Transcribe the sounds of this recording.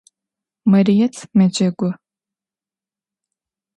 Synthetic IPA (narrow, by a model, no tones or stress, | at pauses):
mɐɾijɛt͡sʰmɐd͡ʒɐɡʷɔ